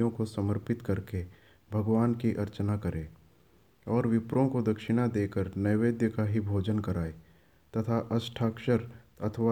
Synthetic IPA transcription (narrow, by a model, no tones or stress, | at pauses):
jõkosəməɾpɪt̪kəɾke | bʱəɡʋaːnkiʔɐɾt͡ʃnakəɾʔẽː | ɔːɾʋɪpɾõkod̪ɐkʃɪnad̪eːkəɾnəjʋeːd̪jəkaɦibʱoːd͡ʒənkəɾaːe | t̪ɐt̪ʰaʔɐsʈʰaːkʃəɾɐt̪ʰʋa